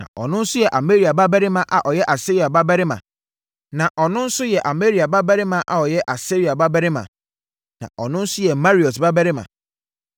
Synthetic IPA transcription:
nã̰˨ʔɔ̰˨nʊ̃˦n̩˦sʊ˦jɛ˨ʔa˨me˦ɾi˨a˨ba˦bæ˦ɾɪ˦mã˨ʔa̰˨ʔɔ˨jɛ˦ʔa˨se˦ɾi˨a˨ba˦bɛ˦ɾɪ˦mã̰˨ | nã˨ʔɔ˨nʊ̃˦n̩˦sʊ˦jɛ˨ʔa˨me˦ɾi˨a˨ba˦bɛ˦ɾɪ˦mã˦ʔa˨ɔ˨jɛ˦ʔa˨se˦ɾi˨a˨ba˦bɛ˦ɾɪ˦mã̰˨ | nã̰˨ʔɔ˨nʊ̃˦n̩˦sʊ˦jɛ˨ma˦ɾi˨ɔ˨tba˦bɛ˦ɾɪ˦mã̰˨

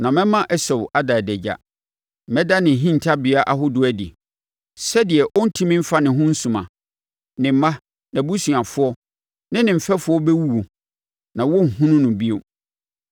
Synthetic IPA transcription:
nã˨mɛ̃˦mã˦ʔɛ˦sɔ˨wʔa˦da˨dɛ˨d͡ʑa̰˨ | mɛ̃˦da˦nɪ̃˨ɦĩ˦n˨tʰa˦bɪ˨a˦ʔa˦ɦʊ˦dʊ˦æ˦dḭ˨ | sɛ˦dɪ˨ɛ˨ʔɔ˦n̩˦tʰĩ˦mĩ˦m̩˦fa˦nɪ̃˨ɦʊ̃˦n̩˦sũ˨mã˨ | nɪ̃˨m˦mã˦ | nã˨bu˦sɥã˨fʊ˦ɔ˦ | nɪ̃˦nɪ̃˨m̩˨fɛ˦fʊ˨˦ɔ˦bɛ˦wu˦wo˨ | nã˨wɔ˦ŋ̩˨hũ˦nʊ̃˦nʊ̃˨bi˦o˦

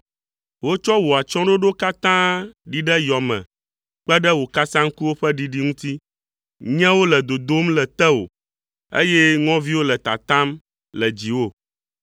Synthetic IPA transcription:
wo˦t͡ʃɔ˦wo˨a˨t͡ʃɔ̃˦ɖo˦ɖo˦ka˦t̪ã˦ɖi˨ɖɛ˦jɔ˨mɛ̰̃˨ | k͡pɛ˦ɖɛ˦wo˨ka˦sã˦ŋ̩˦ku˦wo˦ɸɛ˦ɖi˨ɖi˦ŋũ˦t̪i˦ | ɲɛ̃˦wo˦lɛ˨d̪o˨d̪o˦mlɛ˨t̪ɛ˦wo̰˨ | ḛ˦jɛ˦ŋɔ̃˦vi˦wo˦lɛ˨t̪a̰˨t̪ã˦m | lɛ˨d͡ʑi˨wo˦

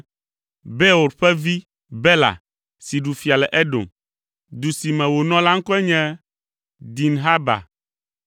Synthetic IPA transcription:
bɛ˦o˨ɾɸɛ˦vi˦ | bɛ˦la̰˨ | si˨ɖu˨fi˨a˨lɛ˨ʔɛ˦ɖõ̰˨m | d̪u˨si˨mɛ̃˨wo˨nɔ̃˦la˦ŋ̩˦kɔ˦ɛ˦ɲɛ̃˦ | d̪i˨nɦa˦ba̰˨

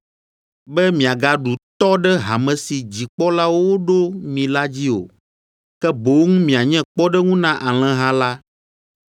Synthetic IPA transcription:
bɛ˦mĩ˨a˨ɡa˨ɖu˨t̪ɔ˦ɖɛ˦ɦa˨mɛ̃˨si˨d͡ʑi˨k͡pɔ˦la˦wwo˦ɖo˦mĩ˨la˦d͡ʑi˦o̰˨ | kɛ˦bo˨wŋũ˦mĩ˨a˨ɲɛ̃˦k͡pɔ˦ɖɛ˦ŋũ˦nã˦ʔa˨l̃ɛ̃˦ɦã˦la˦

